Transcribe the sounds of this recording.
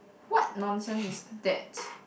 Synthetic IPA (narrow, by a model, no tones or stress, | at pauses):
wɔt̚nɔ̃nsə̃nsisdɛt